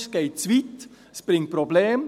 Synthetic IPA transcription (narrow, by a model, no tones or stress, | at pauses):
sɡ̥eɪt͡sʋit̪ | sprɪŋt̚probleːm